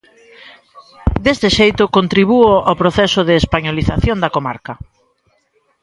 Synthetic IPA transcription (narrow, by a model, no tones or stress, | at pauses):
d̪est̪ɪʃejt̪ʊkont̪ɾiβ̞uoawpɾoθɛsʊðeːspaɲoliθaθjond̪ɐkoma̰ɾkɐ